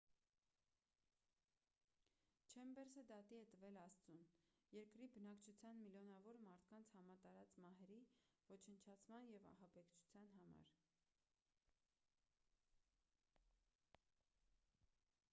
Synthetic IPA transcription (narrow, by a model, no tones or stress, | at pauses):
t͡ʃʰɛmbɛɾzəd̪ɑt̪iɛt̪əvɛlɑst͡sunjɛɾkɾibənɑkt͡ʃʰut͡sʰjɑnmiljɔnɑvɔɾmɑɾt̪ʰkɑnt͡sʰhɑmɑt̪ɑɾɑt͡smɑɦɛɾivɔt͡ʃʰənt͡ʃʰɑt͡sʰmɑnjɛvɑ̰ɦɑbɛkt͡ʃʰu̥t͡sʰjɑnɦɑmɑ̰ɾ